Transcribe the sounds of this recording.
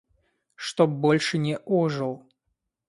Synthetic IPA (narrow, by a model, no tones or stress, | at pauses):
ʂt̪ɔbɔlʲʂɨnʲɛʔɔʐɨlˠ